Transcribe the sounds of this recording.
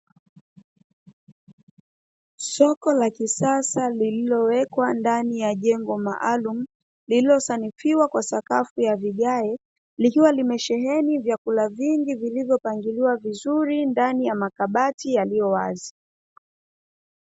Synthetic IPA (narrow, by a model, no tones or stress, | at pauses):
sɔkɔlakisasalililɔwɛkwandanijaʄɛŋɡɔma̰ʔalum̩ | lililɔsanifiwakwasakafujaviɠaɛ | likiwalimɛʃɛɦɛnivjakulaviŋɡivilivjɔpaŋɡiliwavizuɾindanijamakaɓatijalijɔwazi